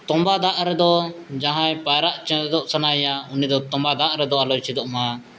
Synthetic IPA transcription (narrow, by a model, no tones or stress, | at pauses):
t̪ɔ̃mbad̪aʔɾɛd̪ɔd͡ʒaɦãjpaɾaʔt͡ʃɛd̪ɔʔsanajaunid̪ɔt̪ɔ̃mbad̪aʔɾɛd̪ɔalɔjt͡ʃʰid̪ɔʔma